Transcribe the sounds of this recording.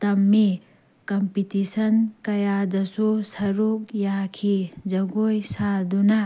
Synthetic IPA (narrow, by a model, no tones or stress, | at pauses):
t̪ɐmːi | kɐmpitisɐnkɐjadɐsusɐɾuk̚jakʰid͡ʒɐɡojsaɾduna